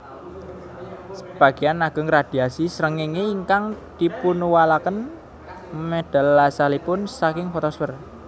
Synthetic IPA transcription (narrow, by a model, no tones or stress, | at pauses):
səb̥a̤ɡ̥ianaɡ̥ə̤ŋɾad̪̥i̤asisɾəŋiŋeiŋkaŋd̪̥i̤punuwalakən | mɛd̪̥a̤lːasalipʊnsakɪŋfɔt̪ɔswɛr